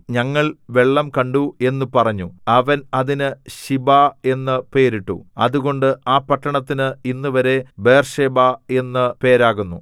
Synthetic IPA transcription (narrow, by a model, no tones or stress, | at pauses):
ɲɐŋːɐɭʋe̞ɭːɐmkɐɳɖue̞nːupɐrɐɲːuɐʋɐnɐðinɨɕibae̞nːɨpe̞ːɾiʈːṵɐ̰ðuɣo̞ɳɖɨaːpːɐʈːɐɳɐt̪ːinɨinːuʋɐɾe̞be̞ːrʂeːbae̞nːɨpe̞ːɾaːɣunːu